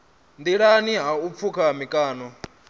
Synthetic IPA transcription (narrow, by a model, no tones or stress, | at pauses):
ndiɺaniɦaup̪fʰukʰamikʼaːnɔ